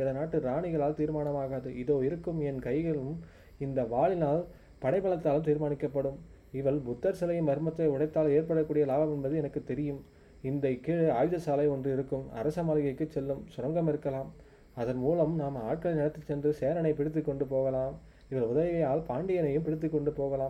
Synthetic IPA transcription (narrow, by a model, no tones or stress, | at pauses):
ɪðɐnaːʈːɯɾaːɳɪɣɐɭaːlt̪iːɾmaːnɐmaːɣaːðɯʔɪðoːɪɾɯkːɯmɛnkɐɪɣɐɭɯm | ɪnd̪ɐʋaːɭɪnaːl | pɐɽɐɪpɐɭɐt̪ːaːlɯmt̪iːɾmaːɳɪkːɐpːɐɽɯm | ɪʋɐɭbʊt̪ːɐɾsɐlɐjɯmʋɐɾɯmɐt̪ːɐɪʊɽɐɪt̪ːaːleːɾpɐɽɐkːuːɽɪjɐlaːbɐmɛnbɐðɯɛnɐkːɯt̪ːɛɾɪjɯm | ɪnd̪ɐɪkːeːɻɯaːjðɐsaːlɐɪɔndrɯɪɾɯkːɯmɐ̰ɾɐsɐmaːlɯɣɐɪkːɯt͡ʃːɛlːɯmsʊɾɐŋɡɐmɪɾɯkːɐlaːm | ɐðɐnmuːlɐmnaːmaːʈ̚kɐɭɪnɪnɐt̪ːɯt͡ʃːɛndrɯseːɾɐnɐɪpɪɽɪt̪̬ːɯkːɔɳɖɯpoːɣɐlaːm | ɪʋɐlʊðɐʋɪʋɐjaːlpaːɳɖɪjɐnɐjɯmpɪɽɪt̪ːɯkːɔɳɖɯpoːɣɐlaːm